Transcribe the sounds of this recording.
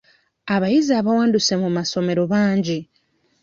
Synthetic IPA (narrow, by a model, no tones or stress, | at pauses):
aβajiziaβawaːnduse̞mumaso̞me̞ɾo̞βaːɲɟi